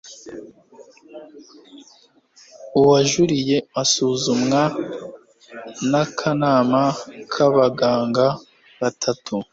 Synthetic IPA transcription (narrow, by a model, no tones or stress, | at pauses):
uwaʒuɾije̞masuːzumŋa | nakʰanaːmakʰaβaɡaːŋɡa | βatʰatʰu